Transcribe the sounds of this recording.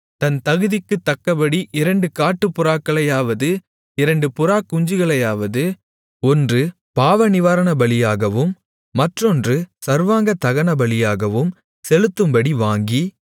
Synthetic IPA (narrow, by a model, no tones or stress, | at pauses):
t̪ɐnt̪ɐɣɯðɪkːɯt̪ːɐkːɐbɐɽiʔɪɾɐɳɖɯkaːʈːɯpːʊɾaːkːɐɭɐjaːʋɐðɯ | ɪɾɐɳɖɯpʊɾaːkːʊɲd͡ʒɯɣɐɭɐjaːʋɐðɯ | ɔndrɯ | paːʋɐnɪʋaːɾɐɳɐbɐɭɪjaːɣɐʋɯmː | ɐʈrɔndrɯsɐɾʋaːŋɡɐt̪ɐɣɐnɐbɐɭɪjaːɣɐʋɯm | sɛlɯt̪ːɯmbɐɽiʋaːŋɡi